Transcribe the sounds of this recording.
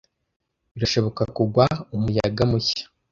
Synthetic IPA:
βiɾaʃo̞βo̞kakuɡwaumujaɡamuçḁ

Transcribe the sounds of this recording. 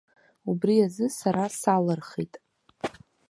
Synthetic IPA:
ubriazɨsaɾasalərχḭtʼ

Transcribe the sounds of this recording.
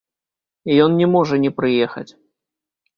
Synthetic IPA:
ijɔnnʲɛmɔʐɐnʲɛpɾɨjɛxɐ̰t͡sʲ

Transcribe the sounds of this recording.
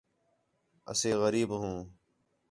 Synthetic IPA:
ə̰seːɣəɾiːbɦũː

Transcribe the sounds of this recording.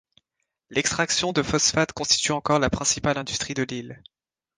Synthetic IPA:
lɛkst̪χaksjɔ̃d̪əfɔsfat̪kɔ̃st̪i̥t̪yɑ̃kɔʁlapχɛ̃sipalɛ̃d̪yst̪χid̪əlil

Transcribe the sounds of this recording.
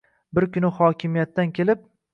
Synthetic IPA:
bɪɾkʰʲʊnɪhɒkʲʰɪmijat̪ːankʲʰe̞lɪp̚

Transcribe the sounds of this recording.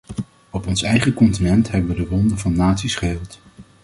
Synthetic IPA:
ɔpɔnsɛjχəkɔntinɛntɦɛbəʋədəʋɔndənvɑnːaːtsisχəɦɪlˠt

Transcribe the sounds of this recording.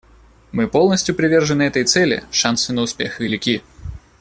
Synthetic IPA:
mɨpo̞lˠnəsʲtʲjʊpɾʲɪvʲe̞rʐɨnɨɛt̪əjt̪sɛlʲɪ̰ʂansɨnəʊspʲe̞xʲɪlʲɪkʲi

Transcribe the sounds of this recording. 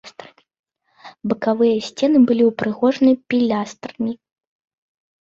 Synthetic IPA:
st̪ɾɨi | bɨkavɨjɐsʲt͡sʲɛnɨbɨlʲiwpɾɨɣɔʐnɨpʲilʲast̪rnʲi

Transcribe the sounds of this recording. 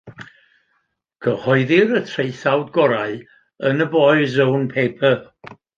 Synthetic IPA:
ɡʰəhɔɨðɪɾətʰrejθawdɡɔɾaɨ | ənəbɔːɨzownpʰejpʰə

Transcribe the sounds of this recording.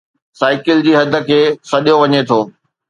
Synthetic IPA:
saːɪkɪld͡ʑiːɦɐd̪ʱə̆kʰeːsɐɗijoʋɐɲet̪ʰoː

